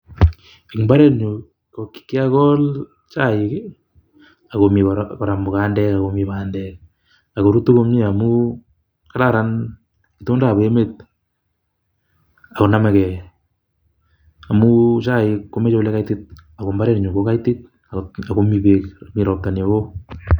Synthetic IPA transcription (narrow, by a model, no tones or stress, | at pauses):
ekmbaɾɛɾɲu | kokkːɪakɔl | t͡ʃaɪk | akomikoɾambokandɛkakomiβandɛk̚ | akoɾutukomɲiamu | kaɾaɾan | kitondaboemet̚ | akonamɛkɛ | amut͡ʃaɪkːomet͡ʃɛlɛkajtɪt̚akombaɾɛɾɲukokaitɪt̚ | aakomipekmiɾɔk̚tanoɣo